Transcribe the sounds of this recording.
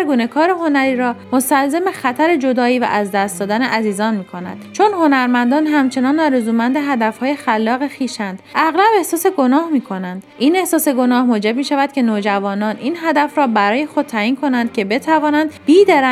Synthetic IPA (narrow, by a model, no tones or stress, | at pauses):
ɾɡuːne̞kʰɒːɾeɦo̞næɾiːɾɒːmo̞st̪ælzemexæt̪ʰæɾed͡ʒo̞d̪ɒːiːvæ̰ʔæzd̪æst̪d̪ɒːd̪æneʔæziːzɒːnmiːkʰo̞næ̰d̪̥t͡ʃʰo̞nho̞næɾmænd̪ɒːnɦæmt͡ʃʰe̞nɒːnːɒːɾezuːmænd̪eɦæd̪æfhɒːjexælːɒːɣexiːʃænd̪̥æɣlæbe̞hsɒːse̞ɡo̞nɒːhmiːkʰo̞nænd̪̥ʔine̞hsɒːseɡo̞nɒːhmoːd͡ʒe̞b̚miːʃævæd̪̥kcʰe̞noːd͡ʒævɒːnɒːniːnɦæd̪æfɾɒːbæɾɒːje̞xo̞d̪̚t̪ʰːæːiːnkʰo̞nænd̪̥̚cʰe̞be̞t̪ʰævɒːnænd̪̥biːd̪eɾæ